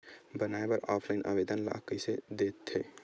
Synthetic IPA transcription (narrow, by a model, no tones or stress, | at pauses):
bənaebəɾapʰlaɪnʔə̰bed̪ənla̰kəsed̪et̪ʰːe